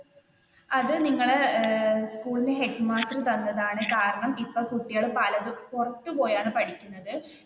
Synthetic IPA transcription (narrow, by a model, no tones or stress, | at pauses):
ɐðɨniŋːɐɭ | skuːɭineɦe̞ɖmaːsrɨt̪ɐnːɐðaːɳɨkaːɾɐɳɐmipːoɭkuʈːijaːɭɨpɐlɐðɨkurɐt̪ːɨpo̞ːjaːɳɨpɐɽikʲːunːɐðɨ